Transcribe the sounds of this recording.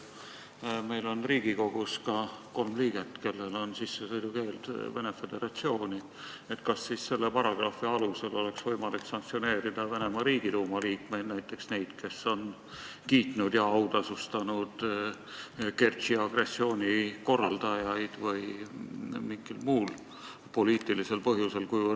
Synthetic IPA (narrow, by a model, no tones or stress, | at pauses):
me̞jlo̞nriːɡ̥iko̞ɡ̥uskɑko̞lmliːɡ̥et̪ːˑke̞lːe̞lo̞nsisːesɤjd̪uke̞ːld̪̥vene̞fe̞d̪̥e̞ɾɑt̪sio̞ːnʲi | e̞t̪kɑsːisse̞lːepɑɾɑɡ̥rɑfˑiɑluse̞lo̞le̞ksvɤjmɑliksɑŋk̚t̪sio̞ne̞ːɾid̪̥ɑvene̞mɑɾiːɡ̥iluːmɑliːkme̞jd̪næjt̪ˑːe̞ksne̞jd̪̥ke̞sːo̞n | kiːt̪nud̪̥jɑɑwd̪ɑsust̪ɑnud̪̥ | ke̞rt̪siɑɡ̥re̞sːio̞ːnʲiko̞rːɑld̪ɑjɑjd̪̥vɤj | miŋɡilmuːl | po̞liːt̪ˑilise̞lpɤɦjuse̞lkujvə